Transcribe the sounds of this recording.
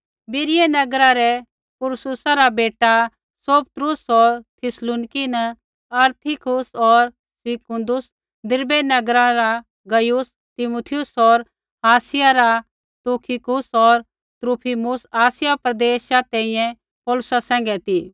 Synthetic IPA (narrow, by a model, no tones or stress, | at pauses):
bɪɾɪjenɐɡɾaɾɛ | pʊɾsʊsaɾabeːʈa | soːpt̪ɾʊsɔɾt̪ʰɪsluːnɪkinɐ | ɐɾt̪ʰikʊsɔɾ | sɪkʊ̃nd̪ʊs | d̪ɪɾbɛnɐɡɾaɾa | ɡɐjʊs | t̪ɪmut̪ʰɪjʊsɔɾ | aːsɪjaɾa | t̪uːkʰikʊsɔɾ | t̪ɾupʰimʊsaːsɪjapɾɐd̪eːsat̪ɛ̃ĩjɛ̃ | pɔːlʊsasɛ̃ːŋɡɛt̪i